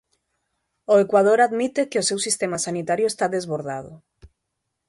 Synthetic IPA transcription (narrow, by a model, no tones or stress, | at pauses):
oekwað̞oɾaðmit̪ekeosewsist̪emasanit̪aɾjʊest̪aðezβoɾðaðʊ̰